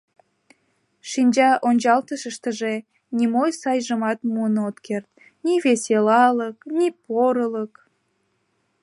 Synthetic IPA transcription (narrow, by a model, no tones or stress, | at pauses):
ʃinʲd͡ʑɑʔonʲt͡ɕɑlt̪əʃəʃt̪əʒe | nimojsɑjʒəmɑt̪muənot̪kert̪ | niβeselɑləknipoɾələk